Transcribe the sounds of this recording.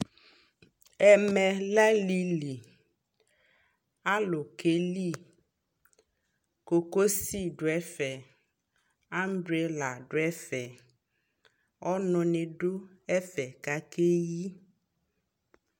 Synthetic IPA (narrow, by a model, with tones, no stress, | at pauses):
ɛ˨mɛ˨lɛ˦li˦li˨ | a˦lo˨ke˦li˦˨ | ko˨ko˦si˦ɖo˨ɛ˦fɛ˨ | a˦m˦bɾe˨˦la˨ɖo˨˦ɛ˦fɛ˨ | ɔ˦nɔ̃˨ne˨ɖo˦ | ɛ˦fɛ˨ka˨ke˦ji˦